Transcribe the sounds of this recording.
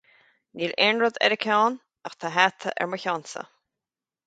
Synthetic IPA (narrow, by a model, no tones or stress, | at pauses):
niːlɛnɹəd̪ɛ̰ɾəkʰɔːn | axt̪ʰaɦat̪ʰəʔɛ̰ɹməçɔnsə̰